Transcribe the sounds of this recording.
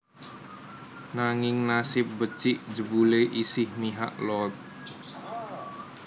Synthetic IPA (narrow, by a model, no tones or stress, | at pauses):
naŋɪŋnasɪp̚bət͡ʃɪʔd͡ʒəbuleʔisɪhmiɦa̰ʔlɔt̪̚